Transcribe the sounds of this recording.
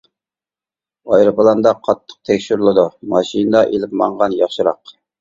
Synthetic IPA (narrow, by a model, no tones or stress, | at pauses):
ɑjɾɨpɨlˠɑnd̪ɑqʰɑt̪ʰːə̥q̚t̪ʰɛkʲʃyɾlˠɨd̪umɑʃinɨd̪ɑʔelɪpmɑɴʁɑnjɑχʃɨɾɑ̰q